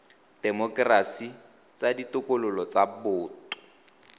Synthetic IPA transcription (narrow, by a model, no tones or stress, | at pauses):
d̥ɛmɔkrasi | t͡saditʊkolʊlɔt͡sabʊːtʊ̥